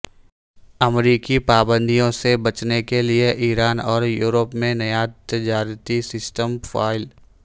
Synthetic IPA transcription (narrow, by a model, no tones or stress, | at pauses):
ɐmɾiːkipaːbə̃nd̪ijõsebɐt͡ʃnekelieʔiːɾaːnɔːɾjuːɾəpmẽnɐjaːt̪ɪd͡ʒaːɾt̪isɪsʈəmfa̰ːɪl